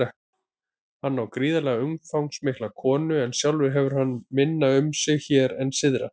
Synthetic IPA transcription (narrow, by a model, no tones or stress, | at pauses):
ɛ | hanːawkɾiːðalɛɣaʏmfawŋsmɪhklakʰɔːnʏɛnsjawlvɪɾɦɛvʏɾ̥ɦanːmɪnːaʏmsɪɣçɛːɾɛnsɪðɾa̰